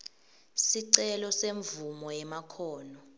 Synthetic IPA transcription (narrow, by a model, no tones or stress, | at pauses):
siǀɛlɔseɱvumɔjɛmakʰɔːnɔ